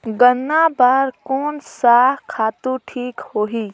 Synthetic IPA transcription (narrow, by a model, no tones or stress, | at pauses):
ɡənːabɐɾkoːnsaːɦkʰaːt̪ũʈʰiːkhoːɦiː